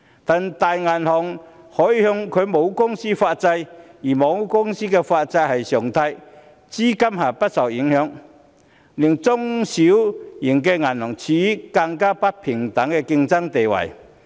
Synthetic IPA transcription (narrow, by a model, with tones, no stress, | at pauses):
t̪a˨˩nt̪aː˨jŋaː˨˩nhɔ˨˩ŋ | hɔː˨˥jiː˧hʊ˧ŋkʰɵ˨˧jmo˨˧wkʊ˥ŋsiː˥faː˧t̚t͡sɐ˧jjiː˨˩mɔː˨˥ŋkʊ˥ŋsiː˥kɛː˧faː˧t̚t͡sɐ˧jhɐ˨jsœː˨˩ŋt̪ʰɐ˧j | t͡siː˥kɐ˥mɦaː˨˩pɐ˥t̚sɐ˨˩wji˨˥ŋhœː˨˧˥ŋ | li˨˩ŋt͡sʊ˥ŋsi˨˥wji˨˩ŋkɛ˧ŋaː˨˩nhɔ˨˩ŋt͡sʰiː˨˥kɐ˧ŋkaː˥pɐ˥t̚pʰɪ˨˩ŋt̪ɐ˨˧˥ŋkɛ˧kɪ˧ŋt͡sɐ˥ŋt̪e˨jwɐ̰˨˩j